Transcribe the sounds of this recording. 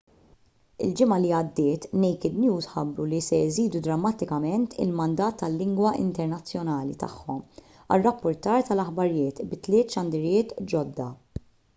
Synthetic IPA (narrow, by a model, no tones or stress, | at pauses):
ɪ̰ld͡ʒɪmɐliɐd̪ːɪːt̪nɛjkɪd̪njuːzħɐbɾulisɛɪziːd̪ud̪ɾɐmːɐt̪ɪkɐmɛnt̪ʰɪ̰lmɐnd̪ɐːt̪ːɐlːɪŋɡwɐʔɪ̰nt̪ɛɾnɐt͡sːjɔnɐːlḭt̪ɐ̰ħːɔm | ɐ̰rːɐpːʊɾt̪ɐːɾt̪ɐlɐħbɐɾjɪːt̪bɪt̪lɪːt̪ʃɐnd̪ɪɾjɪːt̪d͡ʒɔd̪ːɐ